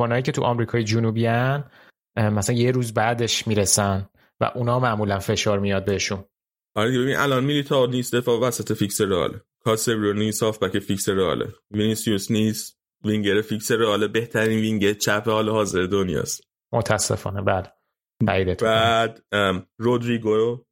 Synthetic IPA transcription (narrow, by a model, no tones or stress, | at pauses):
fonɒːjiːcʰe̞t̪ʰuʔɒ̰mɾikʰɒːjed͡ʒunubiæn | mæsæænje̞ɾuːzbæd̪e̞ʃmiːɾesæn | væ̰ʔunɒːmæʔmuːlænfe̞ʃɒːɾmijɒd̪̚beɦeʃun | ʔɒɾed̪iebeinʔælɒnmilit̪ʰɒnisd̪efɒːvæsæt̪ʰefikseɾeɒ̰ːlʔe | kʰɒsebɾonisɒːfbæceficseɾeɒ̰ːlḛvinisiusniːst̪ | viŋɟeɾefikseɾeɒːlebe̞ht̪ʰæɾiːnviŋɟelt͡ʃʰæpʰehɒːlehɒːzeɾed̪onjɒ̰ːst̪ | mʔot̪ʰæsːḛfɒ̰ːnebæle | æiːd̪et̪ʰbæd̪rod̪ɾiɡo